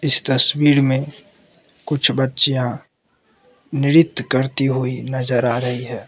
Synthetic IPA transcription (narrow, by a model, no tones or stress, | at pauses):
ɪst̪əswiːɾmẽ | kʊt͡ʃʰbətːʃijã | nɪɾɪt̪ːkəɾt̪iɦʊinəzəɾaːɾəɦiɦɛː